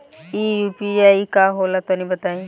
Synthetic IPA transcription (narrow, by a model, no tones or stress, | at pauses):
iːjuːpiaːikaɦolat̪onĩbət̪aːĩ